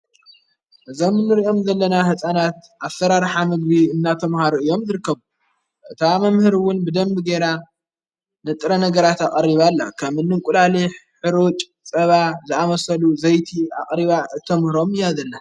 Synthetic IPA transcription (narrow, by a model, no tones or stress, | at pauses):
ʔɨzomnːɨɾiʔo̞mzɐlːɐnahɨsʼanat̪ʔaβsɐɾaɾħamɨɡbiɨnːat̪ʰɐmhaɾuɨjo̞mzɨɾɨkːɐβu | ʔɨt̪ʰamɐmhɨɾwʊnbɨd̪ɐmbɨɡeɾa | nɨt̪ʼɾɐnɐɡɐɾat̪aqʼɐrːiβalːa̰kʰɐmɨnːɨŋkʼulaliħɨɾut͡ʃʼ | t͡sʼɐβazɨʔamɐsɐluzɐjt̪ʰia̰χʼɾiβaɨt̪ʰɐmhɨɾo̞mɨjazɐlːa